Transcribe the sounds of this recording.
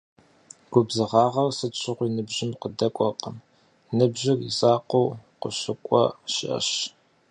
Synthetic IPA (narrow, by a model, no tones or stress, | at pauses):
ɡ̥ʷʊbzɨʁɑːʁɐrsɨt͡ʃʷʰɪʁʷiːnɨbʑɪmqədɐkʷʼɔqəm | nɨbʒɪrḭzaːqowqʷʊɕɪkʷʼɔ̰ʃɪ̰ʔɐ̰ɕ